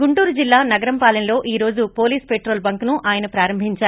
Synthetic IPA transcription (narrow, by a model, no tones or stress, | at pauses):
ɡuɳʈuːɾud͡ʒilːaːnɐɡɐɾɐmpaːlɐnɐlo̞ːʔiːɾo̞ːd͡ʒupo̞ːliːspeːʈɾo̞ːlbɐŋknuʔʔaːjɐnɐpɾaːɾɐmbʱiɲt͡ʃaː